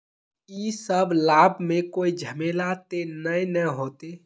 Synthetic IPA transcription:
iːsəblaːbmẽkoːid͡ʒʱəmeːlat̪enəẽnəɦoːt̪e

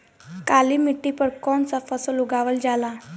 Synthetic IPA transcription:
kalimiʈːipəɾkɔnsafasɔluɡaʋəld͡ʑala

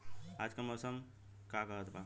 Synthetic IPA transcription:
ad͡ʒkaməsəm | kakəɦət̪ba

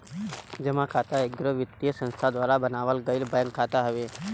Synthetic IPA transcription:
d͡ʒəmãkʰat̪aeɡɾoʋɪt̪ːijəsə̃nst̪ʰad̪ʋaːɾabənaːʋəlɡəilbãŋɡkʰːat̪aɦəʋe

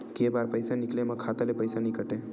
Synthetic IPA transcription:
keːbaːɾpɐɪsanɪklemɐ̃kʰaːt̪alepɐɪsanɐɦĩkɐʈẽː

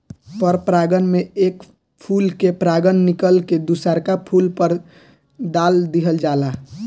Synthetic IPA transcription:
pəɾpɾaɡənmeeːk | pʰulkepɾaɡənːikəlked̪usaɾkapʰulpəɾ | d̪aːld̪iɦəld͡ʒala

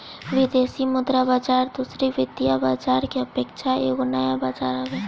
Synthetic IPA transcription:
ʋɪd̪eːsimʊd̪ɾabaːd͡ʒaːɾd̪uːsɾiʋɪd̪jabaːd͡ʒaːɾkiɐpeːkʃʰaḛːkonɐjabaːd͡ʒaːɾabɛ

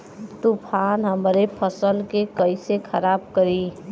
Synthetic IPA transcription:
t̪upʰanɦəmɾepʰəsəlkekəisekʰəɾaːb̚kəɾi

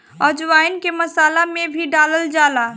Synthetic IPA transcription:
əd͡ʒʋajnkeməsalamebʱiɖaləld͡ʒala

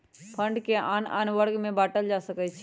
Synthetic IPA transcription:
pʰəɳɖkeaːna̰ːnʋəɽɡmẽbaːʈəld͡ʒaːsəkət͡ʃʰ

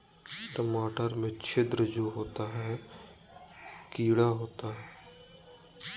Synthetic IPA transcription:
ʈəmaːʈəɾmẽt͡ʃʰɪd̪ɾəd͡ʒoːɦoːt̪aɦɛː | kiːɽaɦoːt̪aɦɛː

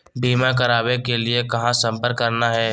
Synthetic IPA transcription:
biːmakɐɾaːbẽkeliekɐɦãsɐ̃mpəɾkːɐɾnaɦɛː

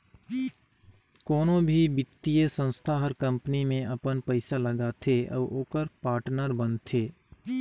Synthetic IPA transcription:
kɔːnõbʱibɪt̪ːijəsə̃nst̪ʰaɦɔɾkə̃mpənimẽʔɐpənpəɪsaləɡat̪ʰeʔɔ̰ːʔoːkəɾpaːɾʈnəɾbənt̪ʰeː

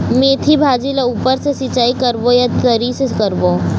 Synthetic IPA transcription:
meːt̪ʰibʱaːd͡ʒilauːpəɾsesɪt͡ʃaːikɐɾbojat̪əɾisekɐɾbo

